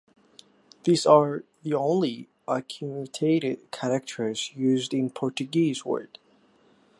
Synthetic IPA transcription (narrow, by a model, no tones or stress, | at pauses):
ðiːzə˞ðiõʊ̃nli | ʔəkʰjuɨtʰeɪɾɪd̚kʰæɾɛk̚t͡ʃʰə˞z̥jʉzdɪ̃npʰɔɹt͡ʃɨɡizwə̰ɹd̥